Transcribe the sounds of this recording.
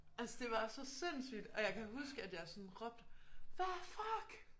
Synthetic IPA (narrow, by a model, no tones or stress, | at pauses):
ælsəd̥e̝ʋɑ̈sɒ̽se̝n̰sy̰ːd̥ɒ̽jɑ̈ɪkʰæɦusɡ̥əæd̥jɑ̈ɪsɒ̽nʁɒ̽b̥̚d̥ʋæfɑɡ̥